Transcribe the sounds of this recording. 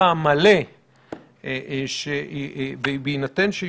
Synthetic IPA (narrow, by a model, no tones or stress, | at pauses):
amale | ʃevebeinatenʃe